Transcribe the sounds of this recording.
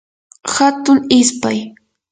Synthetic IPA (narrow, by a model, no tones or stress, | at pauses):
hat̪ʊŋɪspaj